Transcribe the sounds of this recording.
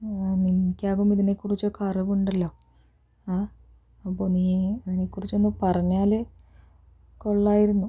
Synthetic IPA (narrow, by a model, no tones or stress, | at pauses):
aninikʲːaːɣumiðine̞kːurit͡ɕːokɐrɨβuuɳɖɐlːo̞ː | aː | ɐpːoːniːɐðine̞kːurit͡ɕːo̞nːɨpɐrɐɲːaːlɨ | ko̞ɭːaːjiɾunːu